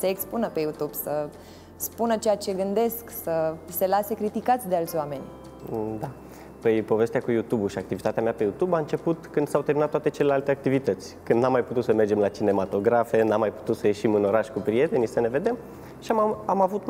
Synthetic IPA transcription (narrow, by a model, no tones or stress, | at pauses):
seekspunəpe̞jut̪ub̥sə | spunət͡ʃejat͡ʃe̞ɡɨnd̪e̞sksəse̞lase̞kɾit̪ikat̪sʲd̪ealt̪sʲowame̞nʲ | d̪a | pəjpo̞ve̞st̪eakujut̪ubuʃiakt̪ivit̪at̪eameapejut̪ubaɨnt͡ʃe̞put̪kɨnd̪sawt̪eɾminat̪ːwat̪e̞t͡ʃelelalt̪eak̚t̪ivit̪ət̪sʲkɨnd̪namːajput̪ut̪səme̞rd͡ʒe̞mlat͡ʃine̞mat̪o̞ɡɾafe̞namːajpu̥t̪ut̪səje̞ʃimɨno̞ɾaʃʲkupɾie̞t̪e̞nisəne̞ve̞d̪e̞m | ʃiaamavut̪